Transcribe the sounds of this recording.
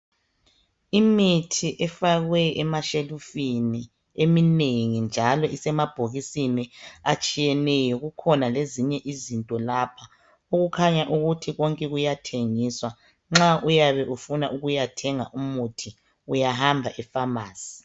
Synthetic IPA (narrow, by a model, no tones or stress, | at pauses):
imitʰiʔɛfaɣwɛɛmaʃelufini | emineŋind͡ʒʱalɔʔisɛmab̥ʱoɣisiniat͡ʃʼijɛnɛjɔɣukʰɔnaleziɲɛʔizintʼɔlapʰa | uɣukʰaɲaʔuɣutʰiɣɔŋkʼɛɣujatʰeŋiswa | ŋ͡ǁaʔujaβɛʔufunaʔuɣujatʰɛŋa̰ʔumutʰi | ujaɦambʱaʔɛfamaːsi̥